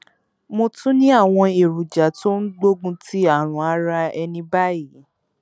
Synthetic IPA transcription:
mo˧tũ˦nĩ˦a˦˨w̃ɔ̃˧e˨ɾu˨d͡ʒa˨˦to˦n̩˦ɡ͡bo˦ɡũ˦ti˦a˦˨ɾ̃ũ˨a˧˦ɾa˧ɛ˧nĩ˧ba˦ji˨˦

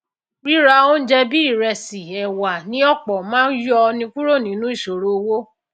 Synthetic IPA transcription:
ɾi˦ɾa˧˦o˦n̩˦d͡ʒɛ˧bi˦i˦˨ɾɛ˧si˨ɛ˨wa˨nĩ˨˦ɔ˦˨k͡pɔ˨mãː˦n̩˦jɔ˦˧nĩ˧ku˦ɾo˦˨nĩ˨˦nũ˨˦i˦˨ʃo˨ɾo˧wo˦

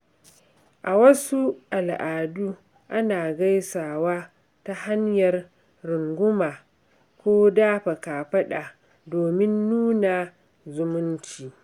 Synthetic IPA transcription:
ʔa˨wɐ˦su˦ʔa˨lʔaː˨duː˦ | ʔa˦naː˨ɡa˦jsaː˨waː˦ | ta˦ha˦ɲjɐ˨r | ɾʊ˨ŋɡʷʊ˦maː˨ | kʷoː˦daː˦ɸa˨kaː˨ɸɐ˦ɗa˨ | doː˨mɪ˦nːuː˦na˨ | zʊ˨mʊ˦nt͡ʃiː˨

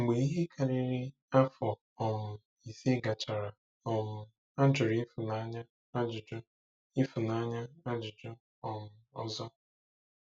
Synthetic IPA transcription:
ŋ͡m̩˨ɡ͡be˨i˦ɦe˦kʰa˨ɾɪ˦ɾɪ˦ | a˦fɔ˨ | ɔ˨mʊ˨ | i˨si˦ɡa˨t͡ʃa˨ɾa˨ | ɔ˨ŋʊ˨ | a˦d͡ʒʊ˨ɾi˦fʊ˨na˨˦ɲa˦ | a˦d͡ʒʊ˨d͡ʒɔ˦ | i˦fʊ˨na˨˦ɲa˦a˦d͡ʒʊ˨d͡ʒɔ˦ | ɔ˨ŋʊ˨ɔ̰˦zɔ˦

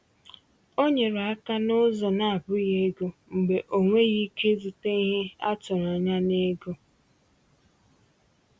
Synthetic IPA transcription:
o˦ɲe˨ɾa˦ka˦nʊ˦zɔ˨na˨a˨bʊ˦ɣe˦ɡo˦ŋ͡m̩˨ɡ͡be˨ʔo˨ŋʷe˦ɣi˦ke˦zu˨te˦i˦ɦe˦a̰˦t͡ʃʊ˨ɾa˨ɲa˦ne˦ɡo˦

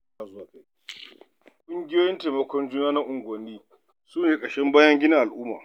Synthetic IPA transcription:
a˨za˨ke˦ | kʷʼʊ˦ŋɡʲɪ˦joː˦jɪ˦ntaː˨mɐ˨kʷɔ˦nd͡ʒuː˦naː˦nɐ˦ʔʊ˨ŋɡʷɐ˨niː˦ | suː˦neː˨kʼɐ˨ʃɛ˦mbaː˦jɐ˦ŋɡʲɪ˦nɪ˦ʔa˨lʔʊː˦maː˨

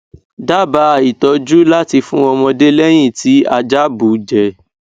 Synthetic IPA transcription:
da˦ba˧˦˨i˨tɔ˨˧d͡ʒu˦la˦ti˧fũ˦ɔ˧mɔ̃˧de˦lɛ˦j̃ĩ˦˨ti˨˦a˧d͡ʒa˦bu˨˦d͡ʒɛ˨

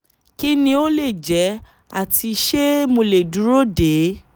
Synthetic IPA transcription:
ki˦nĩ˧o˦le˦˨d͡ʒɛ˨˦ | a˦˨ti˧ʃe˦mo˧le˨du˨˦ɾo˦de˨˦

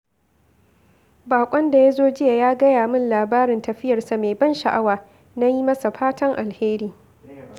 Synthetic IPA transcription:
baː˨kʷʼɔ˦nda˨ja˦zoː˦d͡ʒɪ˦ja˨jaː˦ɡɐ˦jaː˨mʊ˦nlaː˨baː˦ɾɪ˨ntɐ˨ɸɪ˦jɐ˨rsa˨meː˨bɐ˦nʃa˨ʔa˦waː˨ | na˦ji˦mɐ˦sa˨ɸaː˦tʰɐ˦ŋʔa˨lheː˦ɾiː˦

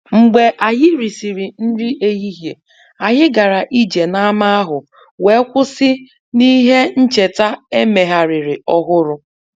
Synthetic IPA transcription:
ŋ͡m̩˨ɡ͡be˨ʔa˨ɦɪ˦ɾi˨si˨ɾi˨n̩˦di˦ʔe˦ɦi˦ɦje˨ | a˨ɦɪ˦ɡa˨ɾa˨ʔi˦d͡ʒe˨na˦a˦ma˦a˦ɦʊ˨ | we˨˦kʷʊ˦sɪ˦ | ni˦ɦe˦n̩˦t͡ʃe˨ta˦e˦me˨ɦa˨ɾɪ˨ɾɪ˨ɔ˦ɦʊ˦ɾʊ˨

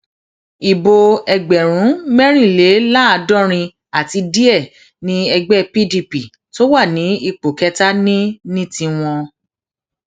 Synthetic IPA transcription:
i˨bo˧ɛ˧ɡ͡bɛ˨ɾ̃ũ˨˦mɛ˦ɾ̃ĩ˦˨le˨˦la˦a˧dɔ̃˦˨ɾ̃ĩ˧ | a˨ti˧di˦ɛ˦˨ | nĩ˨˦ɛ˧ɡ͡bɛ˦pi˦di˧pi˨ | to˦wa˦˨nĩ˨˦i˧k͡po˨kɛ˧˦ta˦nĩ˦nĩ˦tĩ˧w̃ɔ̃˧

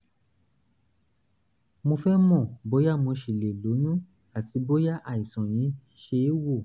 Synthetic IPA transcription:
mo˧fɛ˦mɔ̃˦˨bo˨˦ja˦mõ˧ʃi˨le˨lo˨˦nũ˦ | a˨ti˧bo˦ja˦ʔa˨i˨sɔ̃˨j̃ĩ˨˦ | ʃe˧˦wo˦˨

